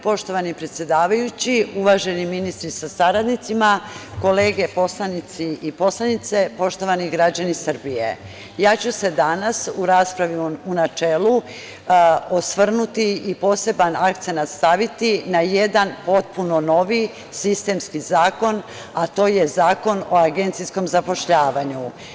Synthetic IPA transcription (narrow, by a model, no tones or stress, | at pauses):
po̞ʃt̪o̞ʋanipɾet̪sje̞d̪aːʋajut͡ɕiuʋaʒe̞niminist̪ɾisasaɾad̪nit̪simako̞le̞ːɡe̞po̞slanit̪siipo̞slˠanit̪sepo̞ʃt̪o̞ʋaniɡɾad͡ʑanisr̩bijḛ | jaːt͡ɕuse̞d̪anasuɾaːspɾaʋiunat͡ʃeːlˠu | osʋr̩nut̪iipo̞ːse̞banak̚t̪senat̪st̪aʋit̪inajed̪anpo̞t̪̚puno̞no̞ʋi | sist̪e̞mskizaːko̞n | at̪o̞ːje̞zaːko̞no̞aɡe̞nt̪sisko̞mzapo̞ʃʎaːʋaɲu